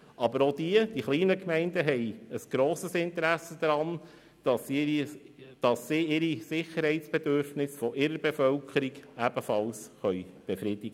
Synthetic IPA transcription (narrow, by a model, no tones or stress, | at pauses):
ʔɑbəɾod̪iəd̥iχliːnəkmɛɪndəɦɛɪəsɡ̥ɾoːsəsɪntəɾæsːəd̥̪ɾɑn | d̥ɑs | d̥ɑsːiɪɾisɪχəɾɦhɛɪtsb̥ed̪øɾfnɪsfɔʔɪɾəɾbefœlkʰəɾiɡæbəfɑlsχœjb̥efɾiːd̥̪ɪɡə